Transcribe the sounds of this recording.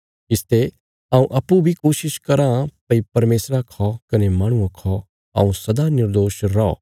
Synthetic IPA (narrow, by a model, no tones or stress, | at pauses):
ɪst̪e | ãːũʔɐpːubʱikoːʃɪʃkɐɾãpɐipɐɾmeːsɾakʰɔkɐnemãːɽ̃uãkʰɔ | ɐ̰ːũsɐd̪anɪɾd̪oːʃɾɔɔ̰ː